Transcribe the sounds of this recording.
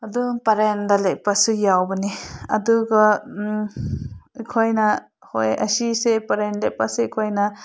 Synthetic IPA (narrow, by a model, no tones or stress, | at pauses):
ɐdupaɾendaleʔ̚pasujawbɐniɐ̰duɡɔ | ikʰojna | hojɐ̰sisepaɾenleʔ̚pasekʰojna